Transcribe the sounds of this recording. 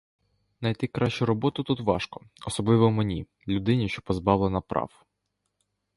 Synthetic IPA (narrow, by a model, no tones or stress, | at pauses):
nɐjt̪ɪkɾɑʃt͡ʃʊɾɔbɔt̪ʊt̪ut̪ʋɑʃkɔ̥ɔsɔblˠɪʋɔmenʲi | lʲʊd̪ɪnʲiʃt͡ʃɔ̥pɔzbɑʋlˠenɐpɾɑ̰f